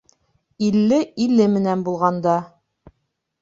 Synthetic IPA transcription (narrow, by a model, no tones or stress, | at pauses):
ilːɘilːɘmɘ̆nænbulˠʁɑnd̪ɑ